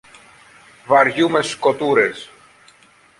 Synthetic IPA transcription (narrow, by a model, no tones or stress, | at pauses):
vɐɾʝume̞sko̞t̪uɾes